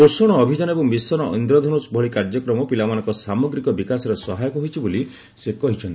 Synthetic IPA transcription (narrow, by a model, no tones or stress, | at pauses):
osɔɽ̃ɔːbʱid͡ʒanɔebumisɔnɔʔḭnd̪ɾɔd̪ʱɔnusbʱɔɭikaɾd͡ʒɔkɾɔmɔpilamanɔ̃ŋkɔsamɔɡɾikɔbikasɔɾesɔɦajɔkɔɦojt͡ʃʰiboli | sekɔɦit͡ʃʰɔnt̪i